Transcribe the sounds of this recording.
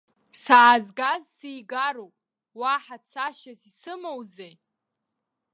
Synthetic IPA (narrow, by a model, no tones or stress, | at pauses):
saːzɡazsijɡaɾowpʼ | waħat͡sʰaʃazisɨmowzej